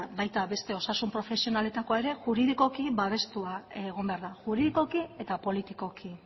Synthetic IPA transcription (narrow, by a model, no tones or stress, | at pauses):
bajt̪aβe̞st̪e̞o̞sasumpɾo̞fe̞sio̞nale̞t̪ako̞ae̞ɾe̞ʝuɾiðiko̞kiβaβ̞e̞st̪uaeɣ̞o̞mbe̞aɾðaʝuɾiðiko̞kie̞t̪apo̞lit̪iko̞kʰi